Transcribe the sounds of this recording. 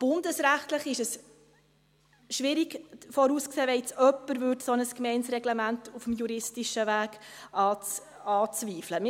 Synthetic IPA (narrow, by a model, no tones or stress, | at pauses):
b̥ʊndəsɾæχtləχɪʃəs | ʃʋɪɾiɡfɔɾuːskseːʋɛt͡sœpːəɾvʉːtsɔnəskmɛɪnsɾɛɡlemæntufmjuɾɪstiʃəvæːɡ̥ | ɑːt͡s | ɑːt͡sviːfləmɪ